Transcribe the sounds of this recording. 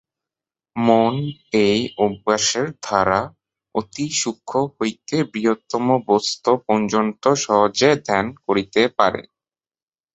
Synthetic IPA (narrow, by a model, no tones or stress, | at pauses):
monejubːaʃeɾd̪ʱaɾa | ot̪iʃukʰːohojt̪ebɾiɦot̪ːɔmobost̪opɔnd͡ʑont̪oʃɔɦod͡ʑed̪ʱɛnkoɾit̪epaɾḛ